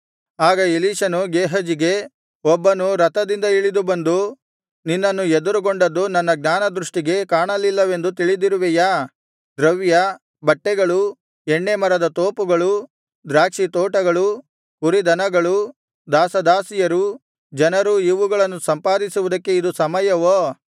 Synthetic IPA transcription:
aːɡɐiliːʂɐnuɡeːɦɐd͡ʒiɡe̞ | ɔbːɐnuɾɐt̪ɐd̪ind̪ɐiɭid̪ubɐnd̪u | ninːɐnːued̪uɾuɡoɳɖɐd̪ːunɐnːɐɡnaːnɐd̪ɾuʂʈiɡe̞kaːɳɐlːilːɐʋe̞nd̪ut̪iɭid̪iɾuʋɛjaː | d̪ɾɐʋjɐ | bɐʈːɛɡɐɭu | ɛɳːemɐɾɐd̪ɐt̪oːpuɡɐɭu | d̪ɾaːkʂit̪oːʈɐɡɐɭu | uɾid̪ɐnɐɡɐɭu | d̪aːsɐd̪aːsijɐɾu | d͡ʒɐnɐɾuiʋuɡɐɭɐnːusɐmpaːd̪isuʋud̪ɐkːe̞id̪usɐmɐjɐʋoː

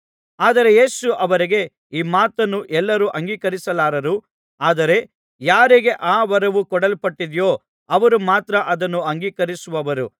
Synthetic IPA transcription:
aːd̪ɐɾe̞je̞ːsuʔɐʋɐɾiɡe̞ | iːmaːt̪ɐnːuʔɛlːɐɾuːʔɐŋɡiːkɐɾisɐlaːɾɐɾu | aːd̪ɐɾe̞ | jaːɾiɡe̞ʔaːʋɐɾɐʋukɔɽɐlpɐʈːid̪jo̞ː | ɐʋɐɾumaːt̪ɾɐʔɐd̪ɐnːuɐŋɡiːkɐɾisuʋɐʋɐɾṵ

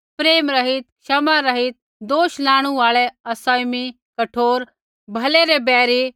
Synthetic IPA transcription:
pɾeːmɾɐɦɪt̪ʃɐmaɾɐɦɪt̪̚ | d̪oːʃlãːɽ̃ũaːɭɛɐsaːmi | kɐʈʰoːɾ | bʱɐleɾebɛːɾi

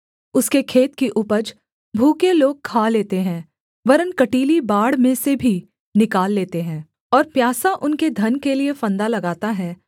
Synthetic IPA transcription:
ʊskekʰeːt̪kiʔʊpəd͡ʒ | bʱuːkeloːɡ̚kʰaːleːt̪eɦɛ̃ː | ʋɐɾənkɐʈiːlibaːɽmẽsebʱi | nɪkaːlːeːt̪eɦɛ̃ː | ɔːɾpjaːsaʔʊnked̪ʱɐnkeliefɐ̃nd̪alɐɡaːt̪aɦɛː

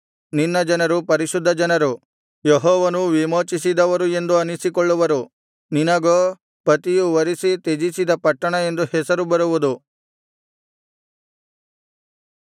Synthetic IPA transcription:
ninːɐd͡ʒɐnɐɾupɐɾiʃud̪ʱːɐd͡ʒɐnɐɾu | jeɦɔːʋɐnuʋimoːt͡ʃis̬id̪ɐʋɐɾue̞nd̪uɐnisikɔɭːuʋɐɾu | ninɐɡoː | pɐt̪ijuʋɐɾisit̪ed͡ʒisid̪ɐpɐʈːɐɳɐe̞nd̪uhɛsɐɾubɐɾuʋud̪u

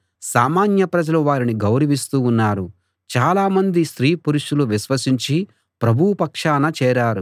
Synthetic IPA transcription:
saːmaːnjɐpɾɐd͡ʒɐluʋaːɾiniɡɐwɾiʋist̪uːunːaːɾu | t͡ʃaːlaːmɐnd̪iʃɾiːpuɾuʂuluʋiʃʋɐsiɲt͡ʃi | pɾɐbʱupɐkʂaːnɐt͡ʃɛːɾaːɾu

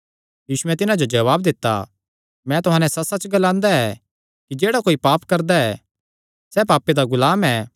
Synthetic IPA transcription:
jiːsʊɛ̃t̪ɪnad͡ʒod͡ʒɐʋaːbd̪ɪt̪ːa̰ | mɛ̃ːt̪ʊɦãːnɛ̃sɐsɐt͡ʃɡɐlãːnd̪aɛ | kid͡ʒeːɽakoːipaːpkɐɾd̪aɛ | sɛːpaːpːed̪aɡʊlaːmɛː

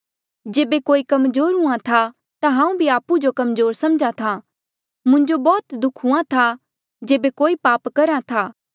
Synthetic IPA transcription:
d͡ʒeːbekoːikɐmzoːɾɦʊãt̪ʰa | t̪ãɦãːũbʱiaːpud͡ʒokɐmzoːɾsɐmd͡ʒat̪ʰa | mʊ̃ɲd͡ʒobɔːt̪d̪ʊkʰɦʊãt̪ʰa | d͡ʒeːbekoːipaːpkɐɾat̪ʰaː

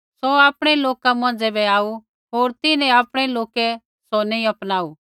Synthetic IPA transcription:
sɔaːpɽ̃ɛloːkamɐ̃nd͡zɛbɛaːu | ɦoːɾt̪ɪnɛ̃aːpɽ̃ɛloːkɛ | sonĩɐpnaːu

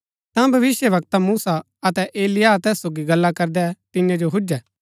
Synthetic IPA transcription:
t̪ãbʱɐʋɪsjəʋɐkt̪amuːsa | ɐt̪ɛʔeːlɪjat̪ɛːssoːɡiɡɐlːakɐɾd̪ɛt̪ɪnjãd͡ʒoɦʊd͡ʒɛː

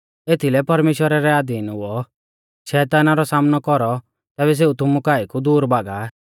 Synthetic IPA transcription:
et̪ʰilɛpɐɾmeːʃwəɾaɾɛaːd̪iːnɦʊɔ | ʃɛːt̪aːnaɾɔsaːmnɔkɔɾɔ | t̪ɛːβɛs̬eut̪ʊmukaːikud̪uːɾbaːɡa

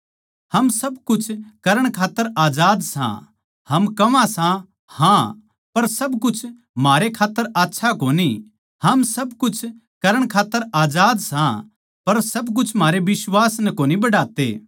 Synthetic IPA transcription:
hɐmsɐbkʊt͡ʃʰkɐɾəɽ̃kʰaːt̪ːəɾaːd͡ʒaːd̪sã̰ | hɐmkɐʋãsã | hã | pɐɾsɐbk̬ʊt͡ʃʰ | maːɾekʰaːt̪ːəɾaːtːʃʰakoːni | hɐmsɐbkʊt͡ʃʰ | kɐɾəɽ̃kʰaːt̪ːəɾaːd͡ʒaːd̪sã | pɐɾsɐbk̬ʊt͡ʃʰm̤aːɾebɪswaːsnɛkoːnibɐɽaːt̪ḛː

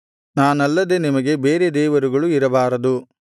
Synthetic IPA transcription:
naːnɐlːɐd̪e̞nimɐɡe̞beːɾe̞d̪ɛːʋɐɾuɡɐɭuiɾɐbaːɾɐd̪u

